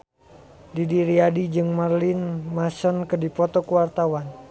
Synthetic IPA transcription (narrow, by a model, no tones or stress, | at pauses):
didiɾiadid͡ʒɨŋmarlɪnmasɔnkɨdipɔt̪ɔkuwart̪awan